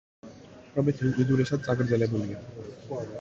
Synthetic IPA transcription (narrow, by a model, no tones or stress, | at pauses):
t̪ɔbet̪ʰeiʔid̪uɾeʃad̪̚t͡ɕaɡəɾd͡ʑɛlebolie